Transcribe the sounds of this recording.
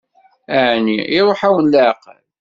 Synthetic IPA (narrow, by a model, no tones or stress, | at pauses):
æʕnḭɪɾˤoħæwənlæqə̰l